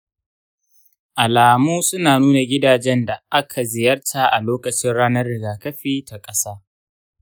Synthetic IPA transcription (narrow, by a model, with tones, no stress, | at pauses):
ʔa˨laː˨muː˦sʊ˦naː˨nuː˦na˨ɡʲɪ˦daː˨d͡ʒɛ˦nda˨ʔa˦kʰa˨zɪ˨jɐ˦rtʰa˨ʔa˨loː˦kɐ˨t͡ʃɪ˦nɽaː˦nɐ˦rːɪ˨ɡaː˨kɐ˦ɸiː˦tʰa˨kʼɐ˦saː˦